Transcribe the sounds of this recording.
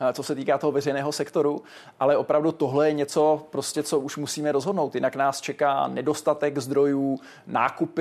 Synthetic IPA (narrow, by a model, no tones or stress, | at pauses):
t͡so̞sɛt̪iːkaːt̪oɦovɛrɛjnɛːɦosɛkt̪o̞ɾu | ʔalɛʔo̞pɾavdut̪oɦlɛjɛɲɛt͡so̞pɾo̞scɛt͡so̞ʔuʃmusiːmɛɾo̞zɦodnowt̪jɪnaknaːst͡ʃɛka̰ːnɛdo̞st̪at̪ɛɡzd̪ɾo̞juː | na̰ːkup